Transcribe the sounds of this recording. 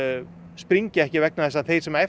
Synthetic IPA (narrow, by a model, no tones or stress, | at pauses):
spɾiɲcɪɛhcɪvɛk̚naðɛsːaθejɾsɛmaɛ